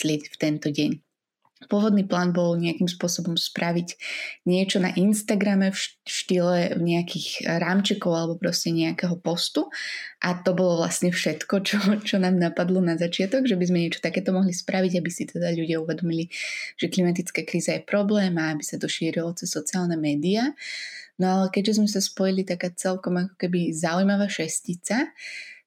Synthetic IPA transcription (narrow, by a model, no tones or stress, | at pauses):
lɪɛcft̪ɛnt̪ɔɟɛɲ | pʊɔʋɔd̪niːplaːnbɔlɲɛakimspʊɔsɔbɔmspɾaʋiɟɲɪɛt͡ʃɔna̰ʔinst̪aɡɾamɛfʃt̪ilɛɲɛakiːxɾaːmt͡ʃɛkɔʊalɛbɔpɾɔscɛɲɛakɛɦɔpɔst̪uʔat̪ɔbɔlɔʋla̰sɲɛfʃɛt̪kɔt͡ʃɔt͡ʃɔnaːmnapad̪lɔnazat͡ʃɪat̪ɔɡʒɛbizmɛɲɪɛt͡ʃɔ̥t̪akɛːt̪ɔmɔɦlispɾʔaʋiɟabisit̪ɛd̪aʎuɟɪauʋɛd̪ɔmiliʒ̥ɛklimat̪it͡skaːkɾiːzajɛpɾɔblɛːmaabisat̪ɔʃiːɾilɔt͡sɛsːɔt͡siaːlnɛmɛːd̪ia | nɔalɛkɛɟʒɛzmɛsaspɔjilit̪akaːt͡sɛlkɔmakɔ̥kɛbizaujmaʋaːʃɛscit͡sa